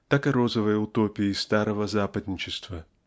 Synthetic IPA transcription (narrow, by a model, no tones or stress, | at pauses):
t̪akɨɾozəvəjəʊt̪opʲɪist̪aɾəvəzapɐd̪ʲnʲɪt͡ʃɪst̪vɐ